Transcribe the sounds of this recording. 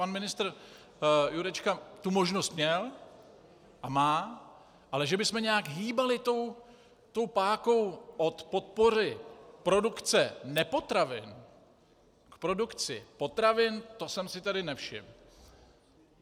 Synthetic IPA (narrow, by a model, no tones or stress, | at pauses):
panmɪnɪst̪ɾ | juɾɛt͡ʃkat̪umo̞ʒnost̪mɲɛl | ʔamaː | ʔalɛʒɛbɪsmɛɲɛjakɦiːbalɪt̪o̞w | t̪o̞wpaːko̞wʔo̞t̪po̞t̪̚po̞rɪpɾo̞dukt͡sɛnɛpo̞t̪ɾavɪ̰n | kpɾo̞dukt͡sɪ̰po̞t̪ɾavɪnt̪o̞sɛmsɪt̪adɪnɛfʃɪ̰m